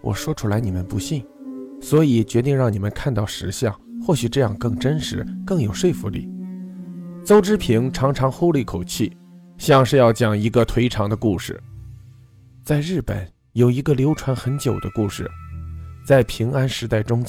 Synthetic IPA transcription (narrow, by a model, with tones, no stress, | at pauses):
wʔɔ̰˨˩ʂwɔ˥ʈ͡ʂʰu˥la˧˥ɪni˨˩ə˦npu˧˥ɕi˥˩ŋswɔ˧˥i˨˩t͡ɕɥɛ˧˥t̪i˥˧ŋɻɑ˥˩ŋni˨˩mə˦nkʰa˥˧nt̪ɑ˥˩ʊʂɻ̩˧˥ɕjɑ̰˥˩ŋxwɔ˥˩ɕy˨˩ʈ͡ʂɤ˥˧jɑ˥˩ŋkɤ˥˩ŋʈ͡ʂə˥nʂɻ̩˧˥kɤ˥˩ŋjo˨˩ʊʂwe˥˩ɪfu˧˥lḭ˥˩ | t͡so˥ʊʈ͡ʂɻ̩˥pʰi˧˥ŋʈ͡ʂʰɑ˧˥ŋʈ͡ʂʰɑ˧˥ŋxo˥˧ʊli˥˩kʰo˨˩ʊt͡ɕʰi˥˩ | ɕjɑ˥˧ŋʂɻ̩˥˧jɑ˥˩ʊt͡ɕjɑ˨˩ŋi˧˥ɡə˧t̪ʰwe˧˥ɪʈ͡ʂʰɑ˧˥ŋd̪ə˧ku˥˧ʂɻ̩̰˥˩ | t͡sa˥˧ɪɻɻ̩˥˩pə̰˨˩˦n | jo˨˩ʊi˧˥ɡə˧ljo˧˥ʊʈ͡ʂʰwa˧˥nxə˧˥nt͡ɕjo˨˩ʊd̪ə˦ku˥˩ʂɻ̩̰˥˩t͡sa˥˩ɪpʰi˧˥ŋa˥nʂɻ̩˧˥t̪a˥˩ɪʈ͡ʂʊ˥ŋ